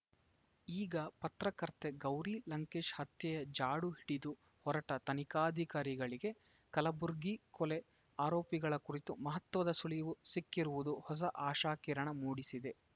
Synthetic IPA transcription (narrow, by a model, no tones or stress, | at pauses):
iːɡɐpɐt̪ɾɐkɐɾt̪eɡɐwɾilɐŋkeːʃhɐt̪jɐjɐd͡ʒaːɽuɦiɽid̪u | hɔɾɐʈɐt̪ɐnikaːd̪ʱikaːɾiɡɐɭiɡe̞ | kɐlɐbuɾɡikɔle | aːɾoːpiɡɐɭɐkuɾit̪umɐɦɐt̪ːʋɐd̪ɐsulijɐʋusikːiɾuʋud̪uhɔs̬ɐʔaːʃaːkiːɾɐɳɐmuːɽisid̪e̞